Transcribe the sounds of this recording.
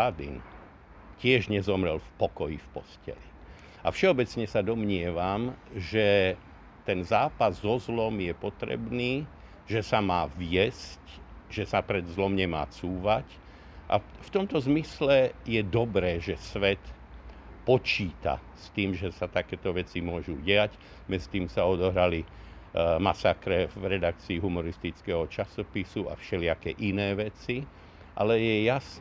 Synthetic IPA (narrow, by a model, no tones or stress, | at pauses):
ad̪ḭn | cɪɛʒɲɛzɔmɾɛlfpɔkɔjifpɔscɛ̰li | afʃɛɔbɛt͡sɲɛsad̪ɔmɲɪɛʋamʒɛ | t̪ɛnzaːpazːɔzlɔmjɛpɔt̪ɾɛ̰bniː | ʒɛsamaːʋɪjɛscʒ̥ɛsapɾɛd̪zlɔmɲɛma̰ːt͡suːʋac | ʔa̰ft̪ɔmt̪ɔzmislɛjɛd̪ɔbɾɛːʒɛsʋɛt̪ | pɔt͡ʃiːt̪a̰ | st̪iːmʒɛsat̪akɛːt̪ɔʋɛt͡simʊɔʒuɟɛac | mɛd͡zit̪iːmsaɔd̪ɔɦɾali | masakɾɛvɾɛd̪ak̚t͡siːɦumɔɾist̪it͡skɛːɦɔt͡ʃasɔpisua̰fʃɛlɪakɛːʔinɛːʋɛt͡si | ʔa̰lɛjɛjas